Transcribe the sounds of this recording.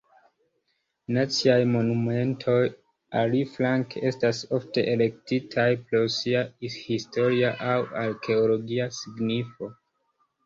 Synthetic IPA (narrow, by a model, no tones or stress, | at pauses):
nat͡siajmo̞nume̞ntʰo̞j | aliflaŋke̞staso̞fte̞ʔele̞ktitʰajpɾo̞siahisto̞ɾiaʔawaɾkʰe̞olo̞ɡiasiɡnifo̞